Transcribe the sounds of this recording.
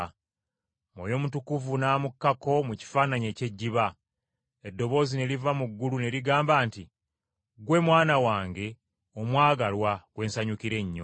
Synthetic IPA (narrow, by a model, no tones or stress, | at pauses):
mwo̰ːjo̞mutukuvunaːmukːako̞muci̥faːnaɲe̞ːce̞ɟːiβa | edːo̞βo̞ːzine̞livamuɡːulune̞liɡaːmbaːnti | ɡwe̞mwaːnawaːŋɡe̞ | o̞mwaːɡalwaɡ̥we̞ːnsaɲukiɾe̞ɲːo̰